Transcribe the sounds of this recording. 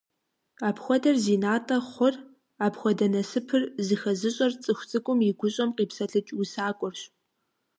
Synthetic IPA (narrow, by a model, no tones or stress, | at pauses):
aːpxʷɔdɐrziːnaːtʼɐχʷʊr | aːpxʷɔdɐnɐsɨpʰɨrzɨxɐzɨɕʼɐrt͡sʼɨxʷt͡sʼɨkʷʼʊmjɪɡʷʊɕʼɐmqiːpsɐɬʰɨt͡ʃʼusaːkʷʼɔrɕ